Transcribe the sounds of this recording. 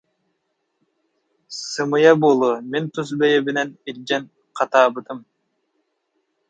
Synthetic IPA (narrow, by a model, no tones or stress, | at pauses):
sɯmɯjɑbolˠument̪ʰuzbejebinenilʲd͡ʒen | qʰɑt̪ɑːbɯd̪ɯm